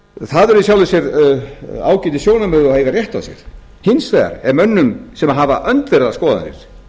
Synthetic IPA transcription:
θaðɛɾisjawlɪʏsjɛɾ | a̰ːwcɪnt̪ɪsjoːwnamœːðʏɔhejɣarjɛht̪a̰sjɛ̰ɾ̥ | hɪnsfɛɣa̰ɾɛɾmœnːʏmsɛmaɦavaʔœnt̪vɛɾðaskɔːðaa̰nɪ̰ɾ̥

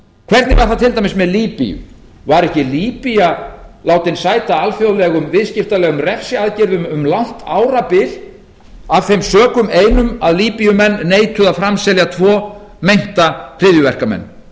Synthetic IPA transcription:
kʰvɛɾt̪nɪvaɾ̥θawt̪ʰɪlt̪ajmɪsmɛðliːpḭjʏ̰ | vaɾɛhcɪliːpijalaːwt̪ɪnsaːjt̪aalfjowlɛɣʏmvɪðscɪft̪alɛɣʏmrɛfsɪaðcɪɾðʏmʏmlawn̥t̪aːwɾapɪl | avθejmsœːkʏmeːjnʏmaðliːpijʏmɛnːeːjt̪ʰʏðafɾamsɛljat̪ʰvɔː | mejŋ̥t̪arɪðjʏvɛr̥kamɛ̰nː

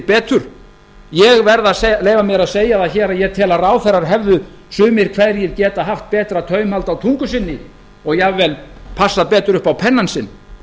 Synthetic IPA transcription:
pɛːt̪ʏɾ̥ | jɛɣvɛɾðasleːjvamjɛɾaðseːjaðaðçɛːɾaðjɛɣt̪ʰɛːlaraːwθɛrːaɾ̥ɦɛvðʏ | sʏːmɪɾ̥kʰvɛðɾjɛðcɛːt̪aɦaft̪̚pɛːt̪ɾat̪ʰœːɥmhalt̪awt̪ʰuŋkʏsɪnːɪ | ɔɣjavɛːlpʰasːaðpɛːt̪ʏɾʏhpawpʰɛnːansɪnː

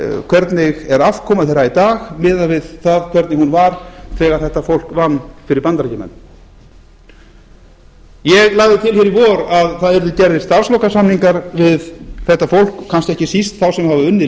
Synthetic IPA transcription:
kʰvɛɾt̪nɪɣɛɾafkʰɔːmaðθejɾait̪aːɣmɪːðavɪðθaðkʰvɛɾt̪nɪhunvaɾ̥θʰɛːɣaɾ̥θɛht̪ːafowl̥kvanːfɪɾɪɾpant̪ɾacɪmɛ̰nː | jɛɣlaɣðɪt̪ʰɪlçɪɾivɔːɾaðθaðɛɾðʏcɛɾðɪ̥st̪ar̥slɔwkasamniŋkaɾvɪðθɛht̪ːafowl̥kʰːanscɪɛhcɪsist̪θawsɛmhavaʏnːɪ

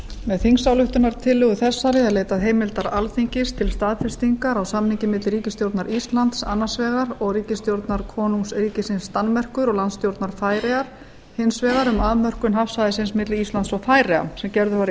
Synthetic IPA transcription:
mɛðθiŋsawlʏht̪ʏnaɾ̥t̪ʰɪlːʏɣʏθɛsːaɾɪɛðleːjt̪aðɦejmɪlt̪aɾalfiɲcɪst̪ʰɪlst̪aːðfɛ̥st̪iŋkaɾawsamniɲcɪmɪt̪lriːcɪst̪jowɾt̪naɾist̪lant̪sa̰nːasvɛːɣaɾɔɣriːcɪst̪jowɾt̪naɾ̥kʰɔːnumsriːcɪsɪnsːt̪anːmɛr̥kʏɾɔɣlant̪st̪jowɾt̪naɾ̥faːjɾɛaɾ̥ | hɪnsvɛːɣaɾʏmaðmœr̥kʏmɦafsaðɪsɪnsmɪt̪lɪist̪lant̪sɔɣfaːjɾɛa̰sɛmcɛɾðʏvaɾ

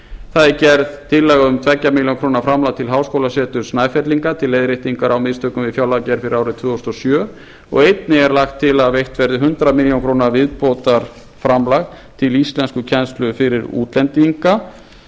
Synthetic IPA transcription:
θaðɪcɛɾðt̪ʰɪlːɛɣaʏmt̪ʰvɛcːamiljonkʰɾoːnaɾfɾamlaɣt̪ʰɪlɦawskowlasɛːt̪ʏɾ̥snaːjfɛt̪liŋkat̪ʰɪlːejðɾɪht̪iŋkaɾawmɪðst̪ʰœːkʏmvɪfjawlacɛɾ̥fɪɾɪɾaːwɾʏt̪ʰvʏːɔst̪ɔsjœː | ɔ̰ɣejt̪nɪɛɾlaxt̪ʰːɪlaðvejht̪vɛɾðʏɦʏnt̪ɾamiljownkʰɾownavɪðpoːt̪aɾ̥ | fɾamlaɣt̪ʰɪlist̪lɛnskʏcʰɛnst̪lʏfɪɾɪɾṵːt̪lɛnt̪iŋka

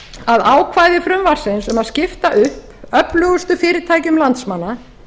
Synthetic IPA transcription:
aðaːwkʰvaːjðɪfɾʏmvaɾ̥sɪnsʏmaðscɪft̪aʔʏhpœplœːɣʏst̪ʏfɪːɾɪɾt̪ʰaːjcʏmlant̪smanːa

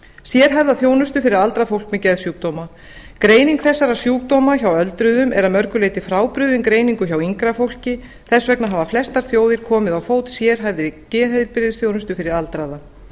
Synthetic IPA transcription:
sjɛɾ̥ɦajvðaθjoːwnʏst̪ʏfɪɾɪɾalt̪ɾafowl̥kmɛcɛðsjuːk̚t̪owma | kɾeːjniŋkθɛsːaɾasjuːk̚t̪owmaçawœlt̪ɾʏðʏmɛɾaðmœɾkʏleːjt̪ɪfɾaːwpɾʏðɪnkɾeːjniŋkʏçawiŋkɾafowl̥cɪ | θɛsvɛknaɦaːvaflɛst̪aɾ̥θjoːwðɪɾ̥kʰɔːmɪðawfoːwt̪sjɛɾ̥ɦajvðɪcɛːhɛjðɪɾpɪɾɪðɪsθjownʏst̪ʏfɪɾɪɾalt̪ɾaða

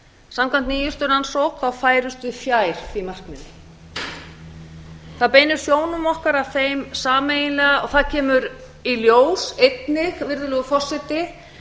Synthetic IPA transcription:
samkʰwant̪niːjʏst̪ʏɾansowkθawfaːjɾʏst̪ʏifjaːjɾ̥fimar̥knɪnɪ | θaðpeːjnʏɾ̥sjoːwnʏmɔhkaɾavθejmsaːmejɪnlɛɣaɔɣθaðcʰɛːmʏɾ | iljoːwsejt̪nɪxvɪɾðʏlɛɣʏfɔr̥sɛt̪ɪ

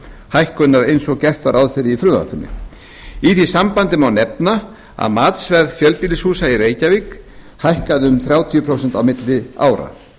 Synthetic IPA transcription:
hajhkʏnːaɾejnsɔɣcɛr̥t̪vaɾʔawðfɪɾɪifɾʏːa̰hk̪ʏnːɪ̰ | iθisampant̪ɪmawnɛpna | a̰ðmaːt̪svɛɾðfjœlpiːlɪshuːsaiɾeːjcavik | hajhkaðʏmθɾjaːwt̪ʰijʏpʰɾowsɛnt̪awmɪt̪lɪa̰ːwɾa̰

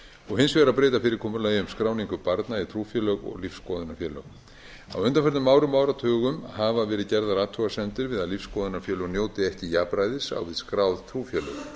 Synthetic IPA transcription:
ɔɣɦɪnsvɛɾaðpɾeːjt̪afɪɾɪɾ̥kʰɔːmʏɾlajʏmskɾaːwniŋkʏpaɾt̪nait̪ʰɾuːfjœlœɣɔ̰ɣlifsːkɔːðʏnafjɛːlœ̰ɣ | a̰wʏnt̪anfɛɾt̪ʏmːaːwɾʏmːaːwɾat̪ʰœːɣʏmhavavɛːɾɪðcɛɾðaɾaːt̪ʰuɣasɛmt̪ɪɾvɪðaðlifsːkɔːðʏnafjœːlœɣnjoːwt̪ɪɛhcɪjaːpɾajðɪsa̰wvɪðskɾawðt̪ʰɾuːfjɛlœ̰ɣ

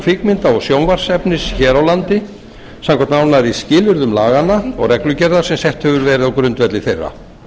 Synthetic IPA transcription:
fɪkmɪnt̪aɔɣsjownvar̥sɛpnɪsçɛːɾawlant̪ɪ | samkʰɛnt̪nawnaɾiscɪːlʏɾðʏmlaːɣanːaɔ̰ɣrɛklʏcɛɾðḁsɛmsɛht̪hɛvʏɾvɛːɾɪðawkɾʏnt̪vɛt̪lɪθejrːa̰

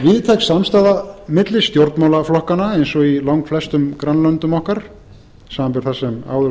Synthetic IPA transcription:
vɪðt̪ʰɛksamst̪aːðamɪt̪lɪ̥st̪jowɾt̪nmawlaflɔhkanːaejnsɔɣilawŋkflɛst̪ʏmkɾanːlœnt̪ʏmɔhkaɾ̥ | saːðampɛɾ̥θasɛma̰ːwðʏ

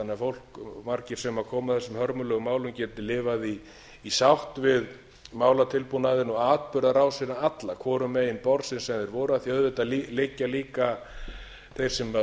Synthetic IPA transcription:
anɛɪafowl̥kmaɾcɪɾ̥sɛmakʰɔːmaθɛsːʏmhœɾmʏlœɣʏmaːwlʏmcɛːt̪ɪlɪːvaðiː | sawht̪vɪð | maːwlat̪ʰɪlpunaðɪnɔɣaːt̪̚pʏɾðaɾaːwsinaat̪lakʰɔːɾʏmːɛɪnpɔɾsɪnsɛmðɛɾvɔːɾʏaðθjœðvɪt̪aðlilɪcːaliːka | θejɾ̥sɛma

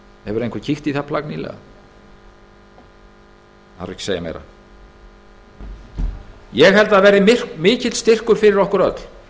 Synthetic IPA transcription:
hɛvʏɾejŋkʰvʏɾcʰiht̪iθapʰlaknilɛ̰ɣa̰ | a̰ɾɛhcɪ̥seja̰mḛjɾa̰ | jɛɣɦɛlt̪aðvɛːɾðɪmɪr̥kmɪːcɪt̪st̪ɪr̥kʏɾ̥fɪɾɪɾɔhkʏɾœt̪l̥

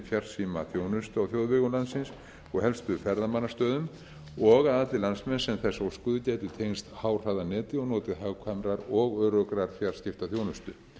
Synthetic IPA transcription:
fjar̥siːmaθjoːwnʏst̪ʏawθjowðvɛɣʏlansɪns | ɔɣhɛlst̪ʏʏfɛɾðamanːast̪œːðʏm | ɔɣaðat̪lɪlansmɛnsɛmθɛsːɔwskʏːðʏcɛːjt̪ʏt̪ʰejnst̪haːwr̥aðanɛːt̪ɪɔɣnɔːt̪ɪðɦawkʰamɾaɾɔɣœːɾœkɾaɾ̥fjar̥scɪft̪aθjownʏst̪ʏ

